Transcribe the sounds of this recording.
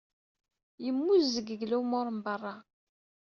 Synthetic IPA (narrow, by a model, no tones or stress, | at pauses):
jəmːuzːəɡəɡlumʊɾˤmbərˤːɑ